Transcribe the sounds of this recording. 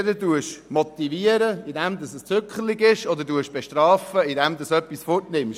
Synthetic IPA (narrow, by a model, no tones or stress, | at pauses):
d̪əduəʃmɔt̪iviəɾəid̪ɛmd̪ɑsəst͡søkχəliɡɪʃɔd̪əduəʃb̥ɛʃtrɑːfəid̪ɛmd̪ɑsœpːisfɔtnɪmʃ